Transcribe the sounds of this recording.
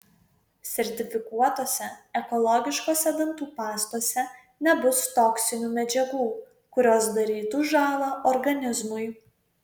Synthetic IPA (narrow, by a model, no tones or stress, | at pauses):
sʲɛɾʲt̪ʲɪfʲɪkuɔt̪oːsʲɛɛkɔlˠɔɡʲɪʃkoːsʲɛd̪ɐnt̪uːpɑːst̪oɔsʲɛ | nʲɛbʊst̪ɔksʲɪnʲuːmʲɛd͡ʒʲɛɡuː | kʊɾʲoːsd̪ɐɾʲiːt̪uʒɑːlˠɐʔɔɾɡɐnʲɪzmʊɪ